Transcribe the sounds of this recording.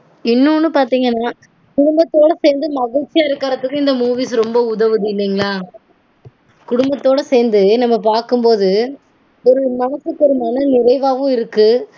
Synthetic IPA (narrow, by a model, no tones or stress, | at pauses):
ɪnːʊ̃ːnːɯpaːɾt̪iːŋɡɐnːaː | kʊɽʊmbɐt̪ːoːɽɐseːɾnd̪ɯmɐɣɪɭʈt͡ʃːɪjaːɪɾɯkːaːɾɐt̪ːɯkːʊ̃ɪnd̪ɐmuːʋiːsɾɔmbɐʊðɐʋɯðɯɪlːɛːŋɡɐɭaː | kʊɽʊmbɐt̪ːoːɽɐseːnd̪ɯnɐmːɐp̬aːɾkɯmpoːðɯ | ɔɾɯmɐːɐsɯkːɔɾɯmaːnɯnɪɾɐɪʋaːʋʊ̃ɪɾɯkːɯ